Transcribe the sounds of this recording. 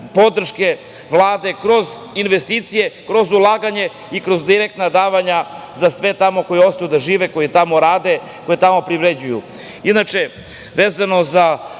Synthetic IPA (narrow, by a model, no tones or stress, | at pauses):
po̞d̪r̩ʃke̞ | ʋlˠaːd̪e̞kɾo̞z | inʋest̪iːt̪sije̞kɾo̞zulˠaːɡaɲe̞ | ikɾo̞zd̪iɾek̚t̪nad̪aːʋaɲa | zasʋe̞t̪amo̞ko̞jeo̞st̪ajud̪aʒiːʋeko̞jit̪amo̞ɾaːd̪e̞ | ko̞jit̪amo̞pɾiʋɾed͡ʑuju | inat͡ʃe̞ | ʋeːzano̞za